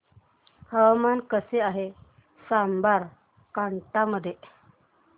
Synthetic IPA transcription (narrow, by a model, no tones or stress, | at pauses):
həwamankəseaɦe | sambaɾ | kaɳʈaməd̪ʱːje